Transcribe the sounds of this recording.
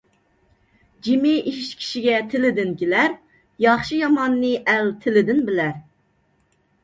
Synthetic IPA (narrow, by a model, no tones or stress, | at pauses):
d͡ʒimɪʔiʃkʲʰi̥ʃiɡʲɛt̪ʰɪlɪd̪ɪnkʲelæɾ | jɑχʃijɑmɑnːɨʔælt̪ʰɪlɪd̪ɪnbɪlæɾ